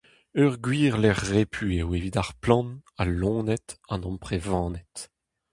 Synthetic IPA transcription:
œʁɡwiːʁlɛʁːepʰyewevid̪aʁplɑ̃nalːɔ̃ːnɛt̪ɑ̃nɔ̃mpχevɑ̃ːnɛt̪

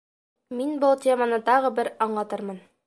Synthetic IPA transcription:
minbɤlˠtʲʰemənɤt̪ɒʁɤ̆bɘɾɒɴlˠɑt̪ɤɾmɤn

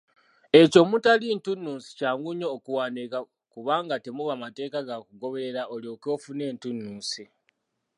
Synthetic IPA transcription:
e̞co̞mutalintunːuːsi̥caːŋɡuɲoːkuwaːneka | kuβaːŋɡate̞muβamate̞ːkaɡakuɡo̞βe̞ɾeɾaʔoljo̞ːko̞ːfune̞ːntunːuːsi

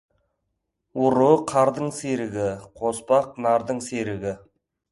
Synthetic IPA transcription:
wʊɾuqʰɑɾd̪əɴseɾɪɡʲɪqʰospɑq̚nɑɾd̪əɴseɾɪɡʲɪ

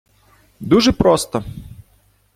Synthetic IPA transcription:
d̪uʒɛpɾɔst̪ɔ

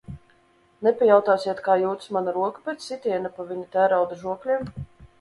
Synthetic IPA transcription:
nɛpʲɛjawt̪aːsiɛt̪kaːjuːt̪smanaɾuɔkapɛt̪ssit̪ʲiɛnapavʲiɲit̪æːɾawd̪aʒuɔklʲim

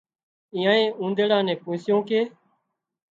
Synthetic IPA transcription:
iːãːẽːũːnd̪eːɽãːnẽːpũːsɪjõːkeː

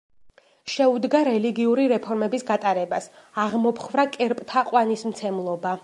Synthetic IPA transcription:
ʃɛud̪ɡaɾɛliɡiuɾiɾɛpʰɔɾmɛbisɡat̪ʼaɾɛbasaʁmɔpχvɾakʼɛɾpʼt̪ʰaqʼwanismt̪sʰɛmlˠɔba

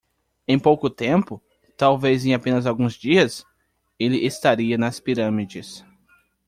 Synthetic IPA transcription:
ẽj̃powkʊt̪ẽmpʊ | t̪awvezẽj̃apẽnɐzawɡũzd͡ʒiɐs | elɪʔest̪aɾiɐnɐspiɾɐ̃mid͡ʒɪs

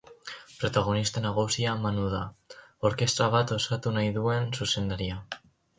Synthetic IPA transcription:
pɾo̞t̪aɣ̞o̞nist̪anaɣ̞usiamanuðao̞ɾke̞st̪ɾaβ̞at̪o̞sat̪unajðue̞nsuse̞nd̪aɾia

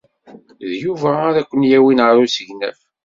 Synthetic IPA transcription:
ðjuvæːɾækʷːənjæwinəɾˤusəʝnæ̰f

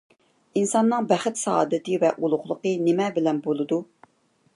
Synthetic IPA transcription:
insɑnːɨŋbæχɪt̪sɑ̰ːd̪ɨt̪ɨvɛʔulˠʊχlˠəqənɪmɛbɪlɛnbolˠɨd̪u

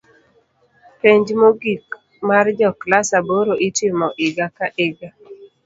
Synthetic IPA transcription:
peɲd͡ʒmoɡik | maɾd͡ʒɔklasaboɾoʔitɪmɔʔɪɡakaʔeɡa

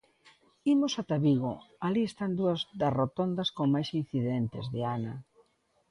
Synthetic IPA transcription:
imosat̪aβiɣo̰ | aliest̪and̪uɐzd̪ɐrot̪ond̪ɐskoŋmajsin̟θiðent̪ɪzðɪanɐ

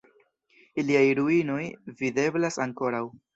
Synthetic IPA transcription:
iliajɾuino̞jvide̞blasaŋko̞ɾaw

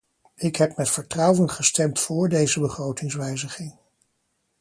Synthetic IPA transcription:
ɪkɦɛp̚mɛtfəɹtrɑwənχəstɛmtfʊːɹdejzəbəχrowtɪŋsʋɛjzəχɪŋ

